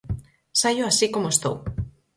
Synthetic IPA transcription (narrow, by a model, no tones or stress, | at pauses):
saʎʊasikomoest̪ow